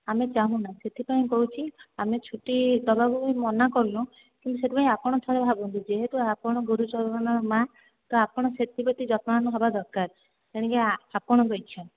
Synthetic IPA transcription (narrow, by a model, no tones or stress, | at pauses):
amet͡ʃaɦũnaset̪ʰipaĩkɔɦut͡ʃʰiamet͡ʃʰuʈid̪ɔbaɡuimɔnakɔɾlũ | kint̪uset̪ʰipaĩapɔɽ̃ɔt̪ʰɔɾebʱabɔnt̪id͡ʒeɦeʈuapɔɽ̃ɔɡuɾut͡ʃɔɾɾɔnɔɾma | t̪ɔapɔɽ̃ɔset̪ʰibɔt̪id͡ʒɔt̪mãanɔɦebad̪ɔɾkaɾ | eɽ̃ĩkeapɔɽ̃ɔɡɔjt͡ʃʰɔ̃n